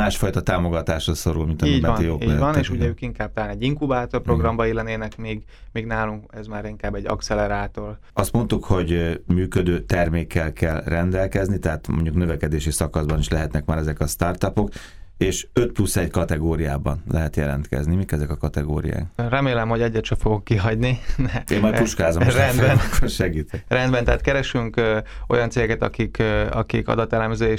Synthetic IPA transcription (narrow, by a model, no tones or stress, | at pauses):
aːʃfɒjt̪ɒt̪aːmo̞ɡɒt̪aːʃroso̞ɾulmint̪ɒiːimːɛijoːiːɒneːʃuɟɛøːkiŋkaːb̚t̪ɔlaːnɛɟːiŋkubaːt̪orpro̞ɡrɒmbɒilɛneːnɛkmiːɡmiːɡnaːluŋkɛzmaːɾiŋkaːbːɛɟːɒ̰ktsɛlɛɾaːt̪or | ɒst̪mo̞nt̪ukho̞ɟmyːkød̪øːt̪ɛrmeːkːɛlkːɛlrɛnd̪ɛlkɛznit̪ɛɦaːt̪mo̞̰ɲɟuknø̞vɛkɛd̪eːʃisɒkɒzbɒniʃlɛɦɛt̪nɛkmaːɾɛzɛkɒst̪art̪ɒpo̞k | eːʃø̞t̪plusːɛɟkɒt̪ɛɡoːɾija̰ːbɒ̰nlɛɦɛt̪jɛlɛ̰nt̪kɛ̰znimikɛzɛkɒkɒt̪ɛɡo̰ːɾḭja̰ːkrɛmeːlɛmho̞ɟɛɟːɛt̪ʃɛfoɡokːiɦɒɟninɛeːmːɒjput͡ʃkaːzomrɛnd̪bɛnkːoʃɛɡiːt̪ɛrɛnd̪bɛnt̪ɛaːt̪̚kɛɾɛʃyŋko̞̰jɒnt̪seːɡɛɡkɛt̪ɒ̰kikɒ̰kikɒ̰d̪ɒt̪ɛlɛmzøːe